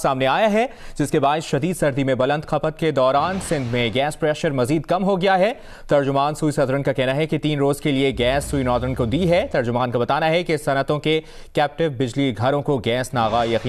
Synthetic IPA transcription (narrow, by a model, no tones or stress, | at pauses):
saːmneaːjaɦɛd͡ʒɪskebaːɪsʃɐd̪iːd̪sɐɾd̪imẽbɐlə̃nd̪xɐpət̪̚ked̪ɔːɾaːnsɪ̃nd̪ʱmẽɡɛːspɾɛːʃəɾmɐziːd̪kɐmɦoɡɪjaɦɛ | t̪ɐɾd͡ʒʊmaːnsuːisɐd̪ɾənkakɛɦnaɦɛket̪iːnɾoːzkelieɡɛːsːuːinɔːd̪əɾənkod̪iːɦɛt̪ɐɾd͡ʒʊmaːnkabɐt̪aːnaɦɛkesɐnət̪õke | kɛːp̚ʈɪʋbɪd͡ʒliɡʱɐɾõkoɡɛːsnaːɣajɐqiː